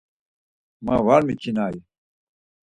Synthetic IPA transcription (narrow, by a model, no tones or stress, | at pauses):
mawaɾmit͡ɕʰinaːji